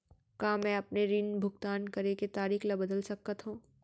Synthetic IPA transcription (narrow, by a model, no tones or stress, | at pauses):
kaːmɛ̃ɐpneɾinbʱʊɡt̪aːnkɐɾeket̪aːɾiːxlɐbɐd̪əlsɐk̪̚ːat̪ɦũː